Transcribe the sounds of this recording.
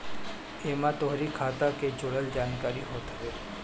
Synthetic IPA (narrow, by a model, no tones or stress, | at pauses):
emãt̪ɔɦɾikʰat̪aked͡ʒoɽəld͡ʒaːnkaɾḭɦot̪əe